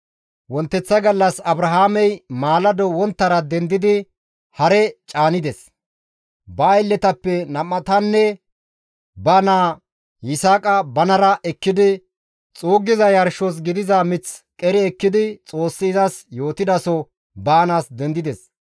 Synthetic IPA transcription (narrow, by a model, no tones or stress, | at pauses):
wɔnt̪ːɛt͡sːɐɡɐlːɐsɐbɾɐɦaːmɛjmaːlɐd̪ɔwɔnt̪ːɐɾɐd̪ɛnd̪ɪd̪ɪ | hɐɾɛt͡ʃʼaːnɪd̪ɛs | bɐːjlːɛt̪ɐpːɛnɐmːɐt̪ɐnːɛ | bɐnaː | jɪsaːkʼɐbɐnɐɾɐʔɛkːɪd̪ɪ | t͡sʼoːɡːɪzɐjɐɾʃɔs̬ɡɪd̪ɪzɐmɪt͡skʼɛɾɛɛkːɪd̪ɪt͡sʼo̞ːsːɪzasjo̞ːt̪ɪd̪ɐsɔ | bɐnaːsd̪ɛnd̪ɪd̪ɛs